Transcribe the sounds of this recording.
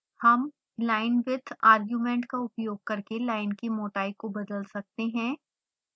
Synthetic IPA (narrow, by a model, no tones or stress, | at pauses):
hɐm | laːɪnʋɪd̪ʰʱaːɾɡjuːmɛ̃ːɳʈkaʊpjoːɡ̚kɐɾkelaːɪnkimoːʈaːɪkobɐd̪əlsɐk̚t̪eɦɛ̃ː